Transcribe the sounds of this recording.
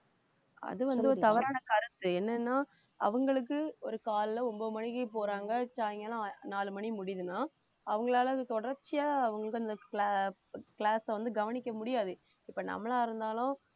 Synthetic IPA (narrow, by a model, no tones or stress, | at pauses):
ɐ̰ðɯʋɐnd̪ɯɔɾt̪ɐʋɐɾaːnɐkɐɾɯt̪ːɯɛnːɐnːaː | ɐ̰ʋɐŋɡɐɭɯk̬ːɯɔɾɯkaːllɐɾɔmboːmɐɳɪkːɯp̬oːɾaːŋɡɐt͡ʃaːjŋɡɐlɐ̃naːlɯmɐɳimʊɽɪðɯnaː | ɐʋɐŋɡɐɭaːlɐɯt̪ɔɽɐɾt͡ʃːɪjaːɐʋɐŋɡɐɭɯkːɯɐnd̪ɐkː | kɭaːsɐʋɐnd̪ɯɡɐʋɐnɪkʲːɐmʊɽɪjaːðɯ | ɪpːɐnɐ̰mːɐɭaːɪɾɯnd̪aːlʊ̃